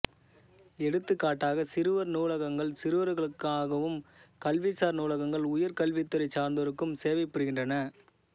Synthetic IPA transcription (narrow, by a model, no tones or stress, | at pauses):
ɛɽɯt̪ːɯkːaːʈːaːɣɐsɪɾɯʋɐɾnuːlɐɣɐŋɡɐɭsɪɾɯʋɐɾɯɣɐɭɯkːaːɣɐʋɯmkɐlʋisaːɾnuːlɐɣɐŋɡɐɭʊjɐɾkɐlʋit̪ːɯɾɐɪt͡ʃaːɾnd̪ɐɾɯkːɯmseːʋɐɪpːɐɾɯɣɪndrɐnɐ